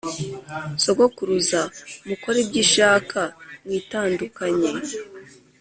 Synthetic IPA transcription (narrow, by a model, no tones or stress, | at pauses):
so̞ɡokuɾuzamuko̞ɾebɟiːʃaːkʰamwiːtaːndukaɲe̞